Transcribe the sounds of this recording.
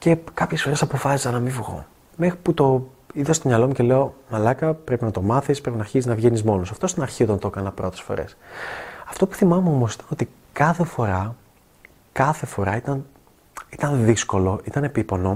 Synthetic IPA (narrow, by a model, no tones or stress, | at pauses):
ce̞kɐpçe̞sfo̞ɾe̞sɐpo̞fɐsi̥sɐnɐmivɣo̞̰ | me̞xɾiput̪o̞ | iðɐst̪o̞mɲɐlo̞muce̞leo̞mɐlɐkɐpɾe̞pinɐt̪o̞mɐθispɾe̞pinɐɾçisiznɐvʝenizmo̞nosɐft̪ost̪onɐɾçiot̪ont̪o̞kɐnɐpɾo̞t̪e̞sfo̞̰ɾe̞̰s | ɐft̪opu̥θimɐmeo̞mo̞si̥t̪ɐ̥no̞t̪i | kɐθefo̞ɾɐ | kɐθe̞fo̞ɾɐit̪ɐn | it̪ɐnðisko̞lo̞ʔit̪ɐne̞pipo̞no̞